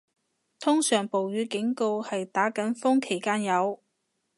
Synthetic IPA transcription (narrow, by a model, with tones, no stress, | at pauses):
t̪ʰʊ˥ŋsœː˨˩ŋpo˨wjyː˨˧kɪ˨˥ŋko˧whɐ˨jt̪aː˨˥kɐ˨˥nfʊ˥ŋkʰe˨˩jkaː˥njɐ˨˧w